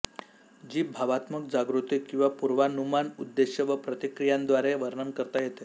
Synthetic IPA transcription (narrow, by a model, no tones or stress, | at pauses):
d͡ʑiːbʱaʋat̪məkd͡zaɡɾut̪ikːĩw̃ʋapuɾʋanumanud̪ːeɕjəʋəpɾət̪ikɾijand̪ʋaɾeʋəɾɳəmkəɾt̪ajet̪e